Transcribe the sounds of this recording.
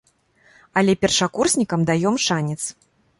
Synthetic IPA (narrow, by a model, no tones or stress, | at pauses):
ɐlʲɛpʲɛrʂakursʲnʲikɐmd̪ajɔmʂanʲɛt̪s